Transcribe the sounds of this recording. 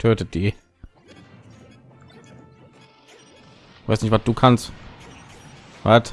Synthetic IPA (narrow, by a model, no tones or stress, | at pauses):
tʰøːtəd̥iː | va̰ɪsnɪçtvat̚d̥uːkʰanst | va̰t